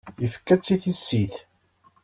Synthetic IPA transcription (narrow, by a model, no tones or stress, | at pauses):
jəfkːæt͡sːiθisːiθ